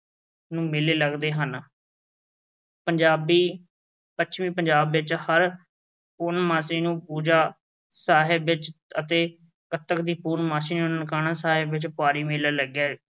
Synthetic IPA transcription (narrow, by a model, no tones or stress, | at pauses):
nũːmɪleːləɡd̪eːɦən | pəɲd͡ʒaːbiː | pət͡ʃʰmiːpəɲd͡ʒaːbʋɪt͡ʃhəɾ | puːnmaːsiːnũːpuːd͡ʒaː | saːɦɪbʋɪt͡ʃət̪eː | kət̪ːəkd̪iːpuːnmaːsiːnũːnəkaːnaːsaːɦɪbʋɪt͡ʃpʊaːɾiːmɪlaːləɡjaː